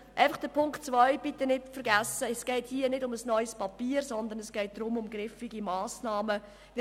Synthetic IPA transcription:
ʔaɪfɑχd̥əpʰʊŋktt͡svœʏb̥it̪ːənɪtfəɾɡæsːəɛsɡ̥ɛɪthiənɪdʊməsnɔʏspɑpiːəɾsɔnd̪ənɛsɡ̥ɛɪt̚d̥̪ɾʊmʊmɡɾɪfiɡimɑːsnɑːmə

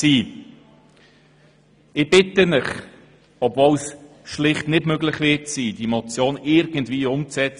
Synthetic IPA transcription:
siː | ɪb̥ɪtənɪχ | ɔbvows | ʃlɪχtnɪdmøɡlɪχvɪtsiːd̥imɔt͡sjoːnɪɾɡəndviːʊmt͡sɛt͡s

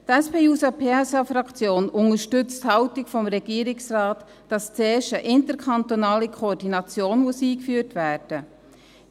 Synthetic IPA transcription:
tɛspʰeːuːsɑpʰeːɛsɑfɾɑkt͡sjoːnʊŋəʃtʏt͡sthɑwtikfɔmɾɛɡ̥iːɾɪksrɑːtː | ɑst͡seːʃəʔɪntəɾkʰɑntonɑːlikʰoːdinɑt͡sjoːnmusiːkfyːtvæːɾd̥ə

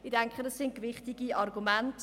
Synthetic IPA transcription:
ɪdɛŋkχədɑsɪntkʋɪχtiɡiɑrɡumænt

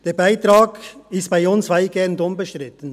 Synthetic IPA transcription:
d̥eːbaɪt̪ɾaːɡɪstb̥aɪʊnsvaɪɡ̥ɛndʊmbəʃtɾɪtən̩

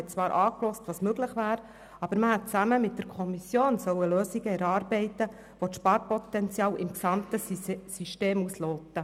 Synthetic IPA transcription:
ɛt̚t͡sʋɑːɾʔɑːklɔstʋɑːsmøɡlɪχʋæːɾ | ɑb̥əɾməhɛt̚t͡sæməmɪt̚d̥əɾkʰɔmisjoːnsœwəløːsiɡəɛɾɑːɾbɛɪt̪ə | ʋotʃpɑːɾpɔt̪ɛnt͡sjɑːwʔɪmksɑmt̪əsiʃteːmusloːt̪ə

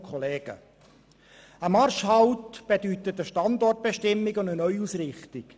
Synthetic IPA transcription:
kʰχɔleːɡ̥ə̰ | əmɑrʃhɑwtb̥edyt̪ətəʃtɑndɔrt̚b̥eʃtɪmːɪɡʊndənœʏusrɪχtɪk

